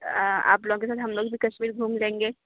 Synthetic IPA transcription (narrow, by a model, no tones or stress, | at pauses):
a̰ːploːɡõkes̬aːt̪ɦɐmloːɡbʱikɐʃmiːɾɡʱuːmlẽːŋɡeː